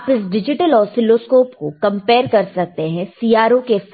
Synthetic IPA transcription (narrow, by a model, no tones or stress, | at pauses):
pɪsɖɪd͡ʒɪʈəlɔːɾsɪloːskoːpko̰kɐ̃mpeːɾkɐɾsɐk̚t̪eɦɛ̃siːaːɾokef